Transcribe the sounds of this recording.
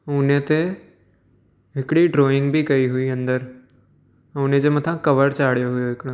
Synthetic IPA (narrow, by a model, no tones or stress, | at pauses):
ʊnet̪e | ɦɪkɽiɖɾoːɪ̃ŋɡbʱikɐiɦʊiɐ̃nd̪əɾ | ʊned͡ʑemɐt̪ʰãkɐʋəɾt͡ɕaːɽ̤ijoɦʊjoɦɪkɪɽ̃õ